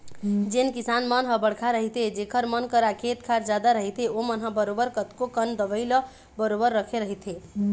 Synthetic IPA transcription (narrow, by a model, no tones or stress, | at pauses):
d͡ʒenkisanmənɦəbəɽkʰaɾəɦit̪ed͡ʒekʰəɾmənkəɾakʰet̪kʰaɾd͡ʒad̪aɾəɦit̪eomənɦə̃bəɾobəɾkət̪kokənd̪əʋəɪlə | bəɾobəɾːəkʰeɾəɦit̪ʰɦe